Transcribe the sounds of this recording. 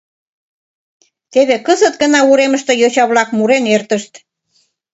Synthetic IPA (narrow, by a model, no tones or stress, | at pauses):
t̪eβekəzət̪ɡənɑuɾeməʃt̪ejot͡ɕɑβlɑk̚muɾenert̪əʃt̪